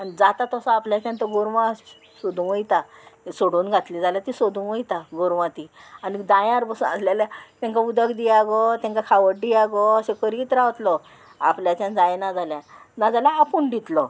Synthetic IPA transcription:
anid͡zat̪at̪ɔsɔapljat͡ɕãnt̪əɡoɾʋas | sod̪ũəjt̪asoɽuːnɡʱat̪lid͡zaljat̪isod̪ũʋəjt̪aɡoɾʋãt̪ianid̪ãjãɾbəsuna̰slaljat̪ãŋkaud̪əkd̪ijaɡɔt̪jãŋkakʰaʋəʈ̚ɖijaɡɔəsekəɾiːt̪ɾaʋt̪lɔ | a̰pljat͡ɕjãnd͡zajnad͡zaljanad͡zalaːpuɳɖit̪lɔ

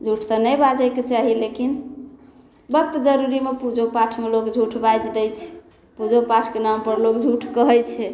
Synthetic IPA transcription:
d͡ʒʱuʈʰt̪ənəjbad͡ʒajket͡ʃaɦilekin | bək̚t̪d͡ʒəɾuɾimepud͡ʒʱopaʈʰmelokd͡ʒʱuʈʰbajd͡ʒd̪ɛjt͡ʃʰɛ̥ | pud͡ʒʱopaʈʰkenampəɾlokd͡ʒʱuʈʰkəɦəjt͡ʃʰɛ

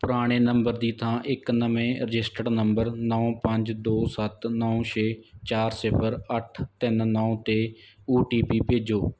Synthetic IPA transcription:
pʊɾaːɽ̃eːnəmbəɾd̪iːt̪ʰãːʔɪknəʋẽːɾəd͡ʒɪsʈəɽnəmbəɾnɔ̃ːpəɲd͡ʒd̪oːsət̪nɔõʃʰeːt͡ʃaːɾsɪpʰəɾəʈʰt̪ɪnnɔːt̪eː | uːʈiːpiːpeːd͡ʒoː

